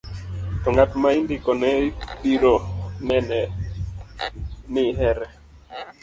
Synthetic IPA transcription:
tɔŋatmaindɪkɔnɛtiɾonɛnɛ | nɪɦɛɾɛ

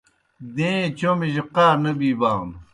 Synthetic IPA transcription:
d̪ẽːt͡ɕomiʑiqaːɾnɐbiːbaːn

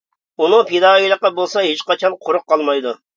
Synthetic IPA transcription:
unɨpʰed̪ɑːijlˠəq̚ːɑbolˠsɑɦet͡ʃqɑt͡ʃʰɑnqʰʊɾʊq̚ːɑlˠmɑjd̪u

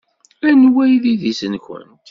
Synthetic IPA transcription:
ænwæjðiðisənçʷə̰nt̪

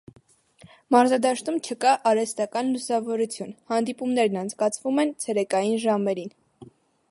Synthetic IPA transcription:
mɑɾzɑd̪ɑʃt̪umt͡ʃʰəkɑʔɑɾɛst̪ɑkɑnlusɑvɔɾut͡sʰjunhɑnd̪ipumnɛɾnɑnt͡sʰkɑt͡sʰvumɛnt͡sʰɛɾɛkɑjinʒɑmɛɾin

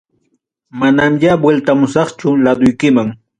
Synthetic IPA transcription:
manamjabwelt̪amʊsɑχt͡ʃʊlad̪ʊjkɪmaŋ

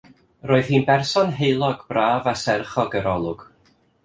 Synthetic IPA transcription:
roːɨð̥hiːnbɛrsɔnɦejlˠɔɡbraːvasɛrχɔɡəɾɔlˠʊɡ̥

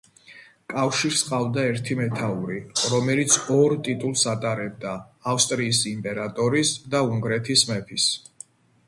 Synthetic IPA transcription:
kʼafʃiɾsqʼavd̪aɛɾt̪ʰimɛt̪ʰauɾiɾɔmɛlit̪sʰɔɾt̪ʼit̪ʼulˠsat̪ʼaɾɛb̚d̪aː | fst̪ʼɾiːsimpʼɛɾat̪ʼɔɾisd̪auŋɡɾɛt̪ʰismɛpʰis

